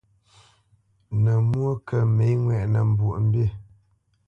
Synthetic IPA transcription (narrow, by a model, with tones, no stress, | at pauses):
nə˨mwo˦kə˦˨me˨˦ŋwɛ˦˨ʔnə˨m̩˨bu˨ʔm̩˦be˦˨